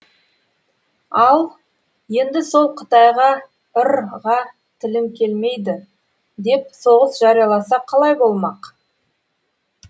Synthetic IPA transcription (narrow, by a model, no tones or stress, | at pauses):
ɑlˠ | je̞nd̪ɪso̞lˠqʰə̥t̪ɑjʁɑ | ʊɾʁɑ | t̪ʰɪlɪmkʲʰe̞lme̞jd̪ɪ | d̪e̞p̚so̞ʁəsʒɑɾijɑlˠɑsɑqʰːɑlˠɑjbo̞lˠmɑq